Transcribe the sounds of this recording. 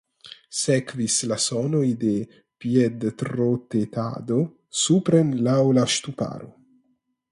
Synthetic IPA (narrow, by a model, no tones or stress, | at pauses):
sekvislasɔnojd̪e | pjed̪t̪ɾot̪et̪a̰d̪o | supɾenlawlaʃt̪upa̰ɾo̰